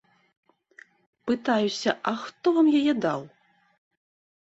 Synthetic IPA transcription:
pɨt̪ajusʲɐʔɐxt̪ɔvamjajɛd̪aw

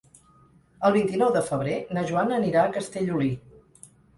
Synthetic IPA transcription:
əlˠβ̞int̪inɔwðəfəβ̞ɾenəʒuanəːniɾaəkəst̪eʎuli

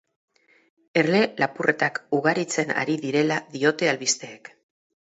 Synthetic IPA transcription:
e̞rle̞lapurʔe̞t̪akuɣ̞aɾit͡se̞na̰ɾiðiɾe̞laðio̞t̪e̞alβist̪e̞ːk

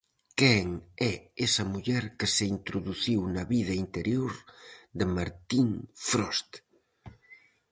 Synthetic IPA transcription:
kɛŋɛesɐmuʎɛɾkəseint̪ɾoðuθiwnɐβið̞ɐint̪eɾjoɾd̪əmaɾt̪iŋfɾɔst̪

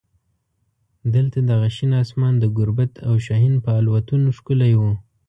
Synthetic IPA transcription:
d̪əlt̪ad̪aɣaʃinɑsmɑnd̪əɡʊɾbat̪ʰawʃaɦinpəalwat̪unoʃkʊlajwu

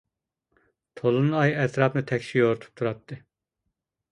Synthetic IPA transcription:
t̪ʰolˠunɑjɛt̪ʰɾɑːpnɨt̪ʰɛkʲʃijoɾt̪ʰu̥p̚t̪ʰuɾɑt̪̚ʰːɨ

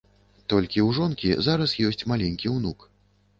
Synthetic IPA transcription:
t̪ɔlʲkʲiwʐɔnkʲizaɾɐsjɔsʲt͡sʲmalʲɛnʲkʲiwnuk

